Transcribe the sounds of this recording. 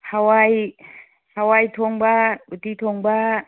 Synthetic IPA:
hawaj | hawajt̪ʰɔŋbaut̪it̪ʰɔŋɡ͡ba

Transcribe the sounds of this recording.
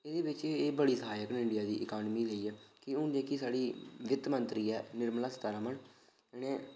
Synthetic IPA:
eːd̪eːbɪt͡ʃːbəɽiːsəɦaːjəknɪɳɖɪjaːd̪iːʔɪkaːnmiːleiːɛːkɪʊnd͡ʒeːkisaːɽiːʋɪt̪mənt̪ɾiːɛːnɪɾmlãːst̪aːɾaːmən | ɛneː

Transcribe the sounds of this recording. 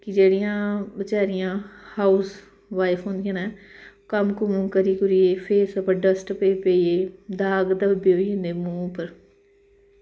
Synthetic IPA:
kɪd͡ʒeːɽijãːbət͡ʃaːɾɪjãːhaːus | ʋaːɪpʰɦõːnd̪ɪjãːnɛːkəmkʊmũːkəɾiːkʊɾiːeːpʰeːsəpəɖəsʈpeːpeːieːd̪aːɡd̪əbbeːoiːɦɪ̃nd̪eːmũːpəɾ

